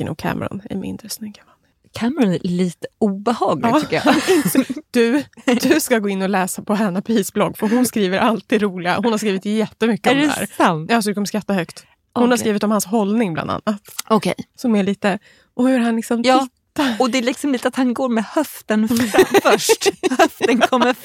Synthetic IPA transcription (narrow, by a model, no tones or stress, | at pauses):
nʊ̰kʰæ̰ːmʔɛ̰ɾɔ̰næ̰ɾmɪ̰nd̪ɾəsnʏɡːamanː | kʰæːmɛɾɔnæɭiːt̪əuːbɛhɑːɡlɑːʏkɪjaɪnt̪sd̪̥ɵd̪ɵskaɡoːɪnːɔlɛːsapʰɔɦɛnːapʰɾiːsblɔɡːfœɾɦʊnskɾiːvəɾʔalt̪ːiːd̪ɾuːlɪɡa̰ɦʊnhaɾskɾiːvɪt̪jɛt̪ːəmʏkːəɔmɛæ̰ːɾajɑːsɔd̪ɵkʰɔmːəʂkɾat̪ːaɦœkt̪ | hʊnhaɾskiːvɪt̪ɔmhansɦɔlnɪŋbla̰nd̪a̰nːat̪ɔkʰɛ̰jsɔmɛɭiːt̪ə | ʔɔʉɾɦanlɪksɔmt̪ʰːt̪ːaɔd̪ɛlɪksɔmliːt̪əat̪hanɡoːɾmɛhœft̪ənffœʂʈhœft̪ənkʰɔmːə